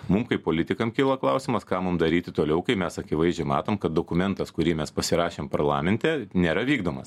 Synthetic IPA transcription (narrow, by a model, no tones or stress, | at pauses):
mʊmkɐɪpoːlʲɪt̪ʲɪkɐmkʲiːlˠɐklˠɐʊsʲɪmɐskɑːmʊmd̪ɐɾʲiːt̪ʲɪt̪oːlʲɛʊkɐɪmʲɛsɐkʲɪʋɐɪzʲd͡ʒʲɛɪmɑːt̪oːmkɐt̪̚d̪oːkʊmʲɛnt̪ɐskʊɾʲiːmʲɛspɐsʲɪɾɑːʃʲeːmpɐɾlˠɑ̰ːmʲɛnʲt̪ʲɛnʲeːɾɐʋʲiːɡd̪oːmɐs